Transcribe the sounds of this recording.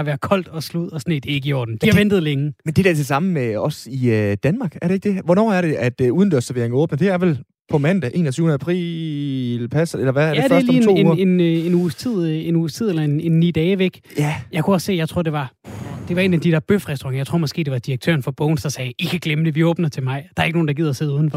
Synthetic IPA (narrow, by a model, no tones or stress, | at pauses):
ɑ̈ʋæːɐð̥kʰɒ̽l̰d̥ɒ̽sluð̰ˠɒ̽sɒned̥e̝e̝ɡ̥iɒ̰ːd̥n̩d̥ihɑʋend̥ð̩ˠleŋəmend̥e̝d̥æɐt͡sʰe̝lsɑ̈məmeɒ̽siød̥ænmɑ̈ːɡ̥æɐɾee̝ɡ̥d̥eɐʋɒnɒ̰ːæɐɾe̝ʔæd̥uːð̞ˠn̩d̥øɐsæʋe̝ɐeŋɔ̽ːb̥nɐd̥e̝æɐʋel | pʰɒ̽mæn̰d̥æʔe̝̰ːnɒt͡sʰyːʊnð̩æpʰʁḭ | lpʰæsɐelɐʋæɐjdɐsliːḛee̝ne̝nuːst͡sʰið̰ˠenuːst͡sʰið̰ˠelɐe̝ne̝nːḭːd̥ɛːʋeɡ̥ | jæjɑ̈ɪkʰuɒ̽sse̝̰ːjɑ̈ɪt͡sʰʁo̝ɐ̰de̝ʋɑ̈d̥e̝ʋɑ̈e̝ːnæd̥id̥ɛ̰ɐb̥øfʁɛsd̥uʁɑ̈ŋɐjaɪt͡sʰʁo̰ɐ̰mɒ̽sɡ̥e̝̰ːd̥e̝ʋɑ̈d̥iɐɡ̥̚t͡sʰø̰ːɐnfɒ̽b̥ɔʊnsd̥ɑ̈sɛːikʰæɡ̥leməd̥e̝ʋiɔ̽ːb̥nɐt͡sʰe̝mɑ̈ɪd̥ɑ̈ɐeɡ̥no̝ːnd̥ɑɡið̰ˠɐse̝ð̩ˠuðˠn̩f